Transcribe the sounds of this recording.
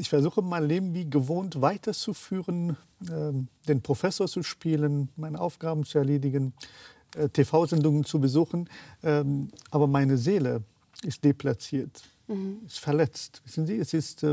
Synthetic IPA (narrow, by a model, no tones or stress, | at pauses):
ʔɪçfɛɐzuːxəmaɪnleːbm̩viːɡəvoːntv̥aɪtʰɐt͡sufyːʁən | ɛːd̥eːnpʁ̥ofɛsoːɐt͡suʃpiːlənmaɪnəʔaʊfɡ̥aːbn̩t͡suɛɐleːdɪɡən | ʔtʰefaʊzɛndʊŋənt͡subəzuːxn̩ʔɛʔaːbɐmaɪnəzeːlə | ɪst̚d̥epl̥at͡siːɐt | ɪstfɛɐlɛt͡stv̥ɪsn̩ziːɛsɪst